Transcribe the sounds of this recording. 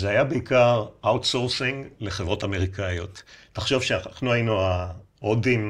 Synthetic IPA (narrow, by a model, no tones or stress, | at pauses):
zeajabeikaʁʔawt̪soʁsiŋɡle̞χevʁo̞tameʁ̞ikajo̞tː | aχʃo̞vʃeaχnuajinuaodim